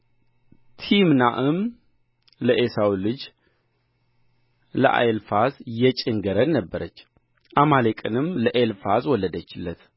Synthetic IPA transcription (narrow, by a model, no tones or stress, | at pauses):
t̪ʰimnaʔɨm | ləʔesawlɨd͡ʒ | lə̰ʔa̰jlfazjɛt͡ʃʼɪŋɡəɾənnəbːəɾət͡ʃː | ʔamalekʼɨnɨmləʔelfazwɔlːəd̪ət͡ʃːɪlːət̪